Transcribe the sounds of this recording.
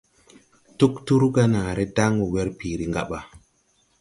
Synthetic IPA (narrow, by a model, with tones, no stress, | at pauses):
tu˦ktu˦ɾɡa˦na˨ɾe˦da˦ŋu˨we˦ɾpi˨ɾi˦ŋɡa˦ɓa˨